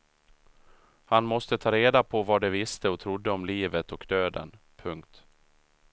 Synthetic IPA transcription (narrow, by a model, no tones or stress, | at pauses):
hanmɔst̪ət̪ʰɑːɾeːd̪apʰɔvad̪ɛvɪst̪əɔt̪ʰɾʊd̪ːəɔmliːvət̪ɔkd̪øːd̪ə̰n | pʰɵŋkt̪